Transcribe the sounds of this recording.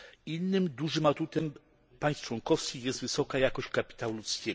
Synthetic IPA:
inːɘmd̪uʐɘmat̪ut̪ɛm | paj̃st͡ʂwɔŋkɔfskʲixjɛst̪vɘsɔkajakɔɕt͡ɕkapʲi̥t̪awulut̪skʲe

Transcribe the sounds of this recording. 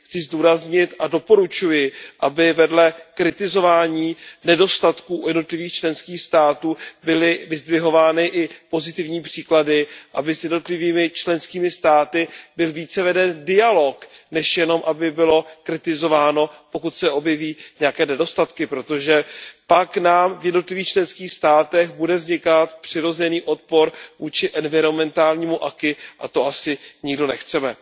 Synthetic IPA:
xt͡sɪzduːɾazɲɪt̪ado̞po̞ɾut͡ʃujɪʔabɪvɛdlɛkɾɪt̪ɪzo̞vaːɲiːnɛdo̞st̪at̪kuːjɛdnot̪lɪviːxt͡ʃlɛnskiːxst̪aːt̪uːbɪlɪvɪzdvɪɦo̞vaːnɪʔɪpo̞zɪt̪ɪvɲiːpr̥iːkladɪʔabɪsjɛdno̞t̪lɪviːmɪt͡ʃlɛnskiːmɪst̪aːt̪ɪbɪlviːt͡sɛvɛdɛndɪalo̞knɛʃjɛno̞mʔabɪbɪlo̞kɾɪt̪ɪzo̞vaːno̞po̞kut̪sɛʔo̞bjɛviːɲɛjakɛːnɛdo̞st̪at̪kɪpɾo̞t̪oʒɛpaknaːmvjɛdno̞t̪lɪviːxt͡ʃlɛnskiːxst̪aːt̪ɛxbudɛvzɲɪkat̪pr̥ɪɾo̞zɛniːʔo̞t̪̚po̞ɾvuːt͡ʃɪʔɛnvɪɾo̞mɛnt̪aːlɲiːmuʔakɪʔat̪oʔasɪɲɪɡdo̞nɛxt͡sɛmɛ

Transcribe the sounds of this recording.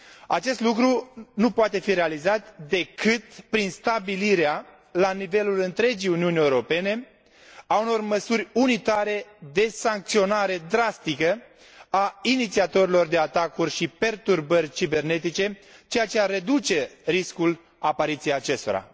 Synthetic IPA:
at͡ʃe̞st̪lukɾunupoat̪e̞fiɾealizat̪d̪e̞kɨt̪̚pɾinst̪abiliɾea | lanive̞lulɨnt̪ɾe̞d͡ʒijuniunʲeuɾo̞pe̞ne̞ | auno̞rməsuɾʲunit̪aɾe̞d̪e̞saŋk̚t̪sio̞naɾe̞d̪ɾast̪ikə | ainit̪siat̪o̞ɾilo̞rd̪e̞at̪akurʲʃipe̞rt̪urbərʲt͡ʃibe̞rne̞t̪it͡ʃe̞t͡ʃe̞jat͡ʃearːe̞d̪ut͡ʃe̞ɾiskul | apaɾit̪sijejat͡ʃe̞st̪o̞ɾa̰

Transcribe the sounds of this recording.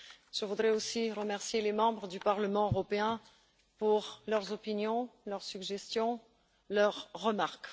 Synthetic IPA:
ʒ̥əvud̪ʁɛosiʁəmɛʁsjelemɑ̃bʁəd̪ypaʁləmɑ̃øʁɔpeɛ̃ | puʁlœʁzɔpinjɔ̃lœʁsyɡʒɛst̪jɔ̃ | lœʁːəmaʁk

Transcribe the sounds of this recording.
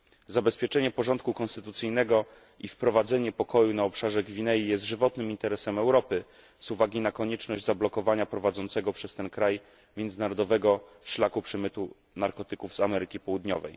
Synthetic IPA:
zabɛspʲjɛt͡ʂɛɲɛpɔʐɔnt̪̚kukɔ̃nst̪ɘt̪ut̪sɘjnɛɡɔ | ʔifpɾɔvad̪zɛɲɛpɔkɔjunaɔpʂaʐɛɡvʲinɛjijɛst̪ʐɘvɔt̪nɘmint̪ɛɾɛsɛmɛwɾɔpɘ | z̥uvaɡʲinakɔɲɛt͡ʂnɔʑd͡ʑzablɔkɔvaɲapɾɔvad̪zɔnt̪sɛɡɔpʂɛst̪ɛnkɾaj | mʲjɛnd̪zɘnaɾɔd̪ɔvɛɡɔ | ʂlakupʂɛmɘt̪u | naɾkɔt̪ɘkuvzamɛɾɘkʲipɔwud̪ɲɔ̰vɛ̰j

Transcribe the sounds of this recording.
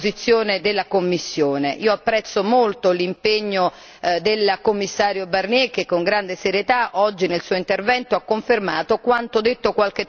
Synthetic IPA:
zit̪sːjoːned̪elːakomːisːjoːneʔiːoapːɾɛt̪sːomolt̪olimpeɲːo | d̪elkomːisːaːɾjobarnjɛk̟ːekːoŋɡɾand̪eseɾjet̪aʔɔd͡ʒːinelsuːoint̪ervɛnt̪oakːoɱfermaːt̪okwant̪od̪et̪ːokwalk̟e

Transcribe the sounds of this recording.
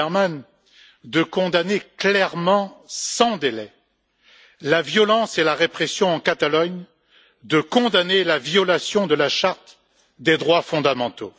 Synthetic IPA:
ɛman | d̪əkɔ̃d̪aneklɛʁmɑ̃sɑ̃d̪elɛ | lavjɔlɑ̃selaʁepχɛsjɔ̃ɑ̃kat̪alɔɲ | d̪əkɔ̃d̪anelavjɔlasjɔ̃d̪əlaʃaʁt̪ | d̪ed̪ʁwafɔ̃d̪amɑ̃t̪o

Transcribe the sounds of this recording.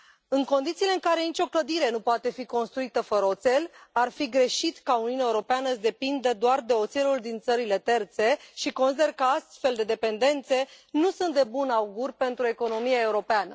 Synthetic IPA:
ɨŋko̞nd̪it̪siːle̞ɨŋkaɾe̞nit͡ʃʲo̞kləd̪iɾe̞nupoat̪e̞fiko̞nst̪ɾuit̪əfəɾəot̪se̞larfiɡɾe̞ʃit̪kauniuunaeuɾo̞peanəɨʃd̪e̞pind̪əd̪oard̪e̞o̞t̪se̞luld̪int̪səɾile̞t̪e̞rt̪se̞ʃiko̞nsid̪e̞rkəast̪fe̞ld̪e̞d̪e̞pe̞nd̪e̞nt̪se̞nusunt̪d̪e̞bunauɡurʲpe̞nt̪ɾue̞ko̞no̞miae̞uɾo̞peanə

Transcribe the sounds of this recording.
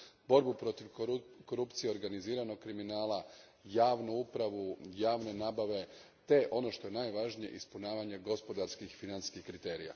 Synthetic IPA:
bo̞ɾbupɾo̞t̪iʋko̞ɾupt̪sije̞o̞ɾɡaniziːɾano̞ɡ̚kɾiminaːlajaːʋnuupɾaʋujaːʋne̞naːbaʋe̞ | t̪e̞ʔo̞no̞ʃt̪o̞je̞naːjʋaʒnije̞̰ʔispunaːʋaɲeɡo̞spo̞d̪aɾskixfinanskixkɾit̪e̞ːɾija̰

